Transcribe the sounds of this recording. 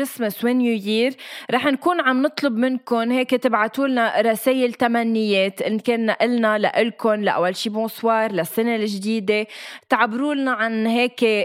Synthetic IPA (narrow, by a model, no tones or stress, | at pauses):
ɾɪsmɪswenjuːjiːɾɾˤɑːħnkuːnʕamnɨt̪ˤlʊbmɪnkʊnheːket̪ɪbʕat̪uːlnaɾˤɑseːjɪlt̪amanːɪjːeːt̪ʔɪnkeːnːaʔɪlnala̰ʔɪlkʊnla̰ʔa̰wːalʃiːbõːswɑːɾˤlasːanelɪʒd̪iːd̪et̪ʕabːɾuːlnaʕanɦeːke